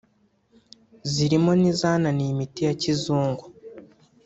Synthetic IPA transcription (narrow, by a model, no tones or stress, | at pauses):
ziɾimo̞nizaːnanijimitijacizuːŋɡu